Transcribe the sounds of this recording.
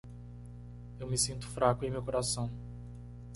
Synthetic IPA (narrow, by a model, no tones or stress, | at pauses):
ewmɪsĩnt̪ʊ̥fɾakʊẽj̃mewkoɾasɐ̃w̃